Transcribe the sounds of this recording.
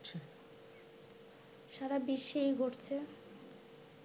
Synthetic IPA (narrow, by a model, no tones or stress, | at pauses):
t͡ɕʰe | ʃaɾabiʃejɡʱoʈt͡ɕʰe